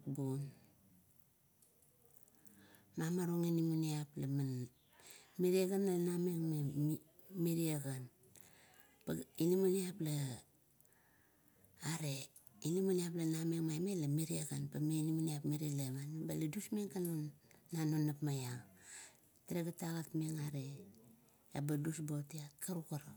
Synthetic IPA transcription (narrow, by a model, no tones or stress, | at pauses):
bun | mamaɾoŋinimuniaplaman | miɾieɡanlanameŋme | miɾiaɡan | painimuniapla | aɾe | inimuniap̬lanameŋmamelamiɾiaɡanpameinimuniapmiɾilemaabaladusmeŋkanonːanonapmajaŋ | tiɾeɡataɣatmeŋaɾeː | badusbotiatkʰaɾukaɾa